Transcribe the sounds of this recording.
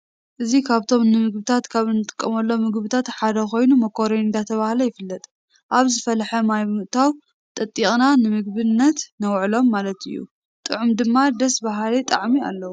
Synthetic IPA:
ʔɨzikʰaβt̪ʰo̞mnɨmɨɡ̚bɨt̪ʰat̪kʰaβɨnːɨt̪ʼɨ̥kʼːɐmɐlːo̞mɨɡbɨt̪ʰat̪ħad̪ɐko̞jnumɐkʰo̞ɾeɨnd̪at̪ʰɐβahlɐjɪfɨlːɐt̪ʼ | ʔaβzɨfɐlħɐmajmɨʔt̪ʰaw | t̪ʼɐt̪ʼːiχʼnanɨmɨɡ̚bɨnːɐt̪nɐwʕlo̞mːalɐt̪ʰɨ̰jːṵ | t̪ʼɨ̰ʕumd̪ɨmːad̪ɐsbaɦlit̪ʼɐ̰ʕmia̰lːɐwu

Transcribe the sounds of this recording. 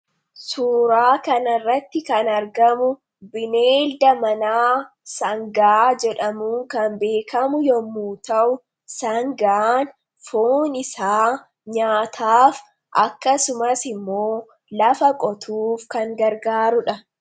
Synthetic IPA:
suːɾaːkɐnɐrːɐt̪ːɪkɐnɐɾɡɐmʊ | bɪneːld̪ɐmɐnaː | sɐŋɡaːd͡ʒɛᶑɐmuːŋkɐmbe̞ːkʰɐmʊjɔmːuːt̪ɐʔʊ | sɐŋɡaːn | foːnɪsaː | ɲaːt̪ʰaːf | ʔɐkːɐsʊmɐsɪmːoː | lɐfɐkʼɔt̪ʰuːfkɐŋɡɐɾɡaːɾʊᶑɐ

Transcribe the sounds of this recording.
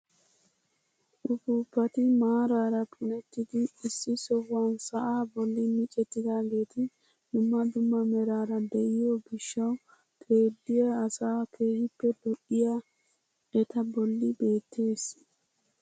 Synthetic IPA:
ʔʊfuːpːɐt̪ɪmaːɾaːɾɐpʼʊnɛt̪ːɪd̪ɪːsːɪsɔwːansɐʔaːbɔlːɪmɪt͡ʃʼɛt̪ːɪd̪aːɡe̞ːt̪ɪ | d̪̥ʊmːɐd̪ʊmːɐmɛɾaːɾɐd̪ɛʔɪjobɪʃːɐw | kʰʼe̞ːd̪ːɪjɐːsaːkʰe̞ːhɪpːɛd̪ɔʔɪja | ʔɛt̪ɐbɔlːɪbe̞ːt̪ːe̞ːs

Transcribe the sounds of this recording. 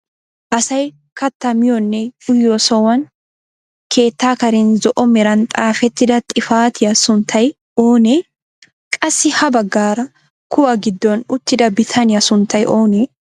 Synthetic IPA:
ʔɐsɐj | kɐt̪ːɐmɪjɔnːɛʊjːosɔwɐn | kʰe̞ːt̪ːaːkɐɾɪnzɔʔɔmɛɾɐnt̪ʼaːfɛt̪ːɪd̪ɐt̪ʼɪfaːt̪ʰɪjɐsʊnt̪ʰːɐj | oːne | kʼɐsːɪhɐbɐɡːaːɾɐ | kʊwɐɡɪd̪ːɔnʊt̪ːɪd̪ɐbɪt̪ʰɐnɪjɐsʊnt̪ʰːɐjʔo̞ːneː

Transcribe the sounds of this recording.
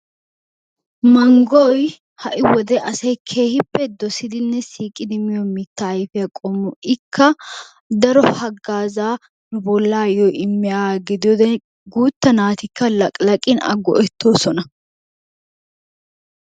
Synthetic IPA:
mɐŋɡɔj | hɐʔɪwɔd̪ɛʔɐsɐjkʰe̞ːhɪpːɛd̪ɔsɪd̪ɪnːɛsiːkʼːɪd̪ɪmɪjɔmɪt̪ːajfɪjɐkʼɔmːʊʔɪkʰːɐ | d̪ɐɾɔhɐɡːaːzaː | nʊbɔlːaːjɔʔɪmːɪjaːɡɪd̪ɪjɔd̪ɛ | ɡuːt̪ːɐnaːt̪ɪkːɐlɐkʼlɐkʼɪnɐ̰ɡːɔ̰ʔɛt̪ːoːsɔnɐ

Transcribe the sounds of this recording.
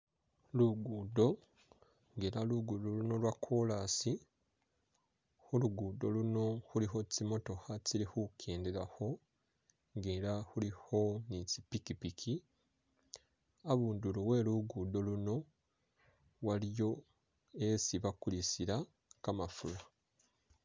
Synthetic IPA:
luɡuːdo̞ | ŋɡe̞ɾaluɡuːdoluno̞lwakʰːolasi | huluɡuːdo̞luno̞huliɦo̞cimo̞to̞haciɾihukʰeːndeɾaho̞ | ŋɡeɾahuliho̞nici̥pikipikʰi | aβuːnduluwe̞ːluɡuːdo̞luno̞ | walijo̞ | e̞siβakulisiɾa | kamafula

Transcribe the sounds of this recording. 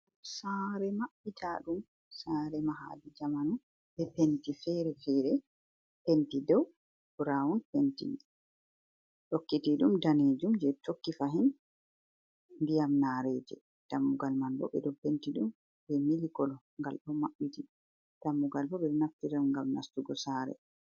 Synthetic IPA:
saɾɛmaɓːitʰaɗum | saːɾɛmaɦa̰did͡ʒamanu | ɓɛpentifɛɾɛfɛɾɛ | pentidɔw | b̥ɾawunpentḭ | ɗokːitiɗumdaned͡ʒumd͡ʒɛtokːifaɦin | ndijamnaɾɛd͡ʒɛ̰ | d̥amːuɡalmanbɔ̰ɓɛ̰ɗɔpentiɗum | bɛmilikɔlɔ | ŋɡa̰lɗɔmaɓːiti | d̥amːuɡalbɔɓɛɗnaftiɾaŋɡamna̰stuɡɔsaɾɛ̰

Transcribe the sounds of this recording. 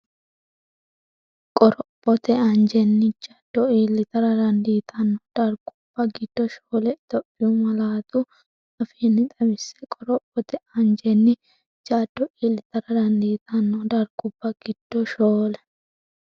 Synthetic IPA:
kʼɔɾɔpʼːɔt̪ɛɐnd͡ʒɛnːɪd͡ʒɐd̪̥ːɔiːlːɪt̪ɐɾɐd̪ɐnd̪iːt̪ʰɐnːɔd̪̥ɐɾɡʊb̥ːɐɡɪd̪̥ːɔʃoːlɛt̪ɔʔːɪjɔmɐlaːt̪ʊ | ɐfeːnːɪt̪ʼɐmɪsːɛkʼɔɾɔpʼːɔt̪ɛɐnd͡ʒɛnːɪ | d͡ʒaːd̪̥ːɔʔiːlːɪt̪ɐɾɐd̪ɐnd̪iːt̪ʰɐnːɔd̪ɐɾɡʊb̥ːɐɡ̥ɪd̪̥ːɔʃoːlɛ

